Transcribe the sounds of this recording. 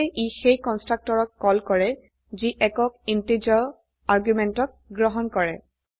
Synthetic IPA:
ʔixejkɔnstɹak̚tɔɹɔk̚kɔlkɔɹɛ | ziʔɛkɔk̚intid͡ʒɔ | aɹɡjumɛntɔk̚ɡɹɔɦɔnkɔɹɛ

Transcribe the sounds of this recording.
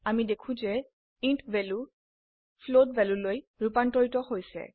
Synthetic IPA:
amidekʰũzɛ | intʰbɛlu | pʰlodbɛlulojɹupantɔɹitɔhojsɛ̰

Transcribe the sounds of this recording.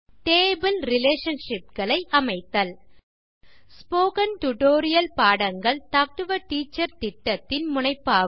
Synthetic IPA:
ʈeːbɪlɾɪleːʂɐnʂɪp̚ɡɐɭɐɪʔɐmɐɪt̪ːɐl | spoːkɐnʈʊʈoːɾɪjɐlpaːɽɐŋɡɐɭt̪ak̚ʈɯʋɐʈiːt͡ʃːɐɾt̪ɪʈːɐt̪ːɪnmʊɳɐɪpːaː

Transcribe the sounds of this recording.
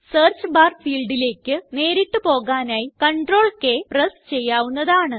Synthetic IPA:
seːrt͡ɕɨbaːrfiːlɖile̞ːkʲːɨne̞ːɾiʈːɨpo̞ːɣaːnaːjikɐɳɖro̞ːɭke̞ːprɐst͡ɕe̞jːaːʋunːɐðaːɳɨ

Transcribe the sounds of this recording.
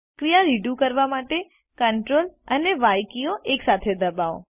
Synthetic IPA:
kɾijaɾiɖjukəɾʋamaʈe | kəɳʈɾoləneʋajkijoʔeksat̪ʰed̪əbaõ̰

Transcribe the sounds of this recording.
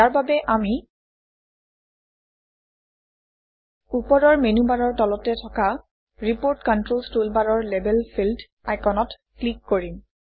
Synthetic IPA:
jaɹbabɛʔami | upɔɹɔɹmenubaɹɔɹtɔlɔtɛtʰɔka | ɹipoɹtkɔntɹolstulbaɹɔɹlebɛlpʰild | ajkɔnɔt | klikːoɹim

